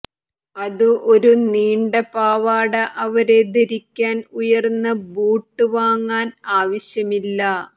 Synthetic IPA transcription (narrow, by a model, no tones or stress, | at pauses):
ɐðuʔo̞ɾuniːɳɖɐpaːʋaːɽɐʔɐʋɐɾe̞d̪eɾikʲːaːnujɐrnːɐbuːʈːɨʋaːŋːaːnaːʋɐɕjɐmilːɐ